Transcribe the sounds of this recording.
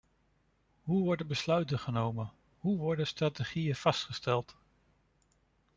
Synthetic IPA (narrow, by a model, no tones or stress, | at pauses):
ɦuʋɔɹdəbəslœɥtənχənowmən | ɦuʋɔɹdənstrateχijənv̥ɑstχəstɛlˠt